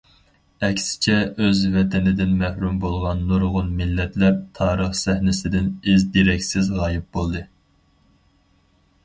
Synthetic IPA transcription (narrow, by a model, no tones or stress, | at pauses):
ɛkʲsɪ̥t͡ʃʰɛʔøzvɛt̪ʰɛnɪd̪ɪnmɛhɾumbolˠʁɑnːoɾʁʊnmɪlːɛt̪lɛp̚t̪ʰɑːɾəχsɛhnɪsɪd̪ɪnɪzd̪iɾɛkʲsɪzʁɑːjɪp̚bolˠd̪ɨ